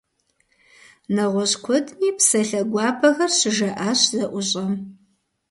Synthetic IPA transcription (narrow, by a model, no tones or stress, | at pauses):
nɐʁʷɔɕkʷʰʊdniːpsɐɬɐɡʷɑːpʰɐɣɐrɕɪʒɐʔaːɕzɐʔʷʊɕʼɐm